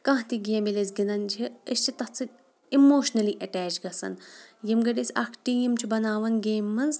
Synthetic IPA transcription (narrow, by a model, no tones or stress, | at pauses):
kɐ̃ɦt̪iɡijɐmilezɡinɐnd͡ʒʰiəst͡ʃʰit̪ɐt͡sɨ | imoːʃnɐliːʔɐʈɛːt͡ʃɡɐsɐ̰njimɡɐɖisʲɐ̰kʰʈijimt͡ʃʰubɐnaːʋɐnɡeːmːɐnz